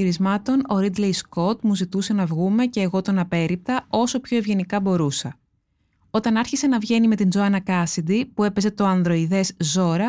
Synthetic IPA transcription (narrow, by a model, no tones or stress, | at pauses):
iɾizmɐt̪o̞no̞ɾid̪lejsko̞t̪muzit̪use̞nɐvɣume̞ce̞ːɣo̞t̪o̞nɐpe̞ɾip̚t̪ɐo̞so̞pço̞e̞vʝe̞nikɐbo̞ɾusɐ | o̞t̪ɐnɐɾçise̞nɐvʝe̞nime̞t̪ind͡zoɐnɐkɐsid̪ipue̞pe̞ze̞t̪o̞ɐnðɾo̞iðe̞zzo̞ɾɐ